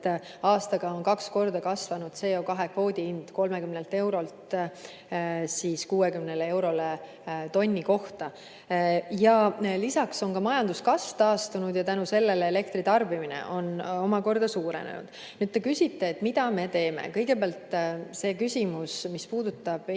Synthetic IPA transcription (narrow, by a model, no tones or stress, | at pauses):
ɑːst̪ɑɡ̥ɑo̞nkɑksko̞rd̪̥ɑkɑsvɑnud̪̥se̞jo̞kɑɦe̞kvo̞ːd̪̥ʲiind̪̥ko̞lme̞kymnelt̪e̞wɾo̞lt̪ | siːskuːekymnelee̞wɾo̞le | t̪o̞nʲːiko̞ht̪ɑ | jɑlisɑkso̞nkɑmɑjɑnd̪̥uskɑsft̪ɑːst̪unud̪̥jɑt̪ænuse̞lːe̞leele̞k̚t̪rit̪ɑrbiminḛʔo̞no̞mɑko̞rd̪̥ɑsuːɾe̞̰nḛnṵd̪̥ | nyːd̪̚t̪ekysʲit̪ːe̞ːt̪ːmid̪̥ɑme̞t̪e̞ːmḛkɤjɡ̥e̞peæːlt̪se̞ːkysʲimusmispuːd̪ut̪ːˑɑb̥